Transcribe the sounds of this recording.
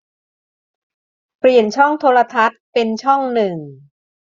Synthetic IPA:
pli˨˩ənt͡ɕʰɔ˥˩ŋt̪ʰoː˧la˧t̪ʰa˦˥t̪̚pe˧nt͡ɕʰɔ˥˩ŋnɯ˨˩ŋ

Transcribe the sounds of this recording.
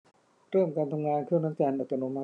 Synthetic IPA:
ɾɤː˥˩mkaː˧nt̪ʰa˧mŋaː˧nkʰɯː˥˨na˦˥˦t͡ɕɛː˧nʔa˨˩t̪ːa˧no˧˦ma˧

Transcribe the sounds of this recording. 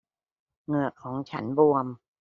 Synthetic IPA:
ŋɯ˨˩əkʰɔː˩˦ŋt͡ɕʰa˦˥nbu˧əm

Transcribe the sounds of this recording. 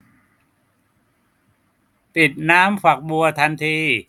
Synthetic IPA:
t̪i˨˩t̪̚naː˦˥mfʰa˨˩k̚bu˧ɐt̪ʰa˧nt̪ʰiː˧

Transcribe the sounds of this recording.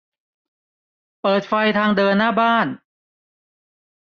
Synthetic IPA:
pɤː˨˩t̪̚fa˧jt̪ʰaː˧ŋdɤː˧nːaː˥˩baː˥˩n

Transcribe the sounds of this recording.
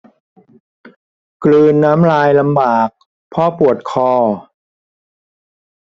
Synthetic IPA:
klɯː˧nːaː˦˥mɾaː˧jla˧mbaː˨˩k̚ | pʰɔː˥˩pu˨˩ət̪̚kʰɔː˧

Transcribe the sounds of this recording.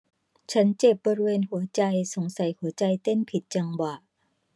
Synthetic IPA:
t͡ɕʰa˦˥nt͡ɕe˨˩p̚bɔː˧ɾi˥˧weː˧nhu˩˦ɐt͡ɕa˧jso˩˦ŋsa˨˩˦jhu˨˩˦ɐt͡ɕa˧jt̪e˥˨npʰi˨˩t̪̚t͡ɕa˧ŋwa˨˩ʔ

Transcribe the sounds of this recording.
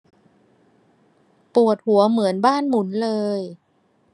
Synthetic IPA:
pu˨˩ət̪̚hu˩˦ɐmɯ˩˦ənbaː˥˩nmu˩˦nlɤː˧j

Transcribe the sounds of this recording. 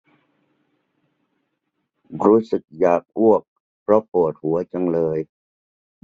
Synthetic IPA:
ɾuː˦˥sɯ˨˩k̚jaː˨˩k̚ʔu˥˩ək̚ | pʰɾɔ˦˥po˨˩t̪̚hu˩˦ɐt͡ɕa˧ŋlɤː˧j

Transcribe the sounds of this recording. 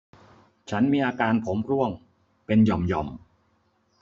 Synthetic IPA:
t͡ɕʰa˦˥nmiː˧ʔaː˧kaː˧npʰo˩˦mɾu˥˩əŋ | pe˧njɔ˨˩mjɔ˨˩m

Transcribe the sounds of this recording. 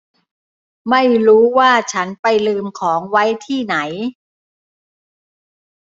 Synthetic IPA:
ma˥˩jɾuː˦˥waː˥˩t͡ɕʰa˦˥npa˧jlɯː˧mkʰɔː˩˦ŋwa˦˥jt̪ʰiː˥˩na˩˦j

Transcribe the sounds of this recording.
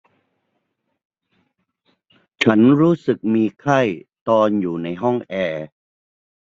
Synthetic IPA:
t͡ɕʰa˦˥nɾuː˦˥sɯ˨˩k̚miː˧kʰa˥˩jt̪ɔː˧njuː˨˩na˧jɦɔ˥˩ŋʔɛː˧

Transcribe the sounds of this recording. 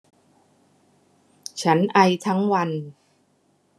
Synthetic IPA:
t͡ɕʰa˦˥nʔa˧jt̪ʰa˦˥ŋwa˧n

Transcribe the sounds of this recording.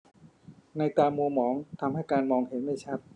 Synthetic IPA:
na˧jt̪aː˧mːu˧mɔː˩˦˥ŋt̪ʰa˧mha˥˩jkaː˧nmɔː˧ŋhe˩˦nma˥˩jt͡ɕʰa˦˥˩p̪̚

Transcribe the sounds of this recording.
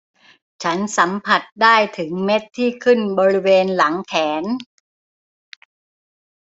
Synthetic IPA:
t͡ɕʰa˦˥nsa˩˦mpʰa˨˩t̪̚daː˥˩jt̪ʰɯ˩˦ŋme˦˥t̪ʰːiː˥˩kʰɯ˥˩nbɔː˧ɾi˦˥weː˧nla˩˦ŋkʰɛː˩˦n

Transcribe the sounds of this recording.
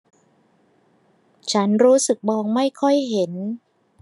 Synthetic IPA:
t͡ɕʰa˦˥nɾuː˦˥sɯ˨˩k̚bɔː˧ŋma˥˩jkʰɔ˥˩jɦe˩˦n

